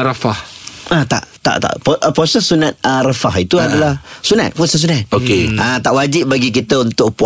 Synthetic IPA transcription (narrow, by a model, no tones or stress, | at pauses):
ɾafahat̪a̰ʔt̪a̰ʔt̪a̰ʔpʔpɔsəsunat̪̚ərafaɦit̪uadalahsuna̰t̪̚pɔsəs̬unat̪̚okeət̪aʔwad͡ʒɪp̚baɡik̬it̪əunt̪ʊk̚pu